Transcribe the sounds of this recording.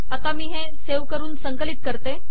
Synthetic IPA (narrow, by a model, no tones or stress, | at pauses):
at̪amiːɦẽ | seʋkəɾuːnsəŋkəlit̪̚kəɾt̪e